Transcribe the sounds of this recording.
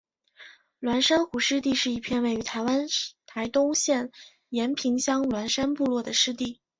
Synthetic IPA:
lwa˧˥nʂa˥nxu˨˩ʂɻ̩˥˧t̪i˥˧ʂɻ̩˥˩i˧˥pʰjɛ˥˧nwe˥˩ɪy˧˥t̪ʰa˧˥ɪwa˥nt̪ʰa˧˥ɪt̪ʊ˥ŋɕjɛ˥˩n | jɛ˧˥npʰi˧˥ŋɕjɑ˥ŋlwa˧˥nʂa˥npu˥˧lwɔ˥˩d̪ə˩ʂɻ̩˥˧t̪i˥˩

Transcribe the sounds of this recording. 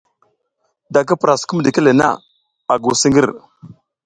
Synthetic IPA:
da˨k̬ə˦pɾa˨sku˦m˨di˨kə˦le˨na̰˦˨ | a˨ɡu˨si˦ŋɡi˦ɾ

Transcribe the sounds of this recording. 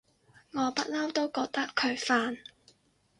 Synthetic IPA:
ŋɔː˨˧pɐ˥t̚lɐ˥wt̪o˥wkɔː˧k̚t̪ɐ˥kʰɵ˨˧ɥfaː˧n

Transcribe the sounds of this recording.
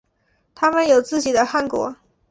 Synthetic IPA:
t̪ʰa˥mə˨njo˨˩ʊt͡sɹ̩˥˩t͡ɕi˨˩d̪ə˦xa˥˩nkwɔ̰˧˥

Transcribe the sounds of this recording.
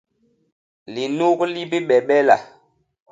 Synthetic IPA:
li˨nu˦kli˦bi˦ɓɛ˨ɓɛ˦la̰˨

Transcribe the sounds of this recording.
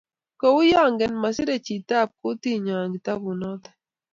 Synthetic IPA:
kɔ˨wʊ˦jɔ˦˨ŋɡɛ˨nma˨sɪ˦ɾe˦˨t͡ʃi˨ta˦˨p̚kʊ˦ti˦ɲɔ˨ŋɡi˨ta˦bu˨nɔ˦t̪ɛ̥˨

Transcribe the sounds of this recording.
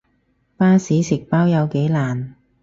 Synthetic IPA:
paː˥siː˨˥sɪ˨k̚paː˥wjɐ˨˧wke˨˥jlaː˨˩n

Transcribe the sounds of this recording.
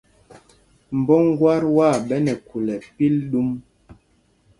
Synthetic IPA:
m̩˨bɔ˦ŋ˦ɡwa˦ɾwa˦˨ɓɛ˦nɛ˨ku˨lɛ˨pi˦lɗu˦m

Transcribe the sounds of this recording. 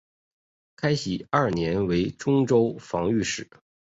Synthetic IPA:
kʰa˥ɪɕi˨˩ɐ˥˩njɛ˧˥nwe˧˥ɪʈ͡ʂʊ˥ŋʈ͡ʂo˥ʊfɑ˧˥ŋy˥˧ʂɻ̩˥˩˦

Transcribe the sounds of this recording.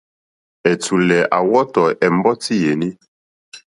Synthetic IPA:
ɛ˨t͡su˨lɛ˨ʔa˨wɔ˦tɔ˨ɛ˨m˦bɔ˦ti˦je˨ni˦

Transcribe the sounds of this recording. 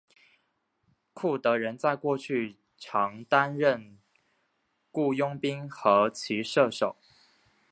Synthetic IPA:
kʰu˥˩t̪ɤ˧˥ɻə˧˥nt͡sa˥˧ɪkwɔ˥˧t͡ɕʰy˥˩ | ʈ͡ʂʰɑ˧˥ŋt̪a˥nɻə˥˧n | ku˥˩jʊ˥ŋpi˥ŋxɤ˧˥t͡ɕʰi˧˥ʂɤ˥˩ʂo˨˩˦ʊ

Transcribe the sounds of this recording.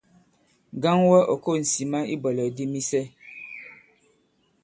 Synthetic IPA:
ɡa˦ŋwɛ˦ʔɔ˨ko˦˨n̩˨si˨ma˦i˦bɔ˨lɔ˨di˦mi˦sɛ˦

